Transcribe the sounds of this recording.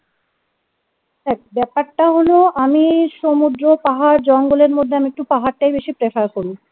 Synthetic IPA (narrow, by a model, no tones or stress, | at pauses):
ɛk̚bɛpaɾʈaɦoloamiʃomud̪ɾopaɦaɾd͡ʑɔŋɡoleɾmod̪ʱːeamiek̚ʈupaɦaɾʈajbeʃipɾefaɾkoɾu